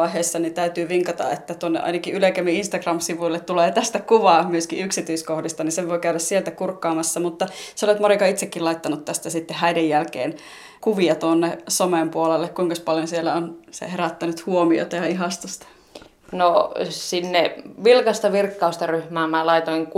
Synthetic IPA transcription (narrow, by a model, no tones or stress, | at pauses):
ɑiɦeːsːɑnit̪æyt̪yːʋiŋkɑt̪ɑ̰et̪ːæt̪uonːḛʔɑ̰inɑkiʔyløkæmiinst̪ɑɡrɑmsiʋuilːet̪t̪uleːt̪æst̪ækuʋɑːmyøskiʔyksit̪yiskohdist̪ɑniseʋʋoikæyɾæssielt̪ækurkːɑːmɑsːɑmut̪ːɑseolet̪morikɑit̪sekːilɑit̪ːɑnut̪t̪æst̪æsit̪ːehæidejjælkḛːn | kuʋiɑt̪uonːesomempuolelːekkuiŋkɑspɑljonsielːæonsḛheɾæt̪ːænyt̪huomio̰t̪ɑjɑiɦɑst̪ost̪ɑ̥ | nosinːeʋilkɑst̪ɑʋirkːɑust̪ɑryhmæːmælɑit̪oiŋk